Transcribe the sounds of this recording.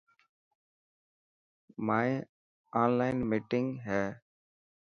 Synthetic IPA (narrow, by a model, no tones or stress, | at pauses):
maːj | aːnlaːɪnmiːʈɪŋɡɦɛː